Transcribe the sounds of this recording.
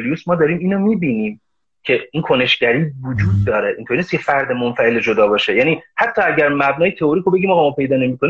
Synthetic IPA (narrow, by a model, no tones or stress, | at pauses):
lijusmɒːd̪ɒːɾiːmiːnomiːbiːniːm | cʰe̞iːnkʰo̞ne̞ʃɟæɾiːvod͡ʒuːd̪̚ːɒːɾeʔint̪ʰoɾnisjefæɾd̪e̞monfæe̞led͡ʒod̪ɒːbɒːʃe̞jæːniːhæt̪ʰːɒːæɟæɾmæbnɒːjet̪ʰeoɾiːkʰobe̞ɟimɒːɣɒmɒːpʰe̞jd̪ɒːne̞miːkʰoni